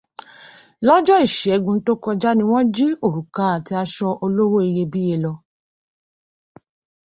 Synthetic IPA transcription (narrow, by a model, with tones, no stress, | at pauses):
lɔ˦d͡ʒɔ˦i˦˨ʃɛ˨˧ɡũ˧n̩˦to˦kɔ˧d͡ʒa˦nĩ˧w̃ɔ̃˦d͡ʒi˦o˦˨ɾu˨ka˦a˨ti˧a˧ʃɔ˧ʔo˧lo˦wo˦e˧je˧bi˦je˧lɔ˧